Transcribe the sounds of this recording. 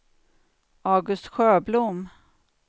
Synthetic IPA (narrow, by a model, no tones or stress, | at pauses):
ɑːɡɵst̪ɧøːblum